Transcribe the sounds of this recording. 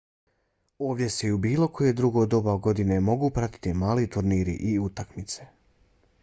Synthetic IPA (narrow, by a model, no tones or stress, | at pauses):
o̞ːʋd̪ʲje̞seiubiːlˠo̞kʰo̞jed̪ɾuɡo̞d̪o̞baɡo̞d̪ine̞mo̞ɡuːpɾat̪i̥t̪imaːlit̪uɾniːɾḭʔiut̪akmit̪se̞̥